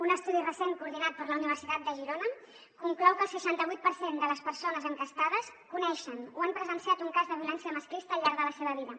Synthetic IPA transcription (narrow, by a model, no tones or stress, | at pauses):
unəst̪uðirəseŋkuːɾð̞inat̪̚pəɾləuniβ̞əɾsit̪at̪̚d̪əʒiɾonə | kuŋklɔwkəlˠsəʃant̪əβujt̪̚pəɾsend̪ələspəɾsonəzəŋkəst̪aðəskunɛʃənuampɾəzənsiat̪uŋkazðəβjulɛnsiəməskɾist̪əːlˠʎːaɾðələseβəβ̞iðə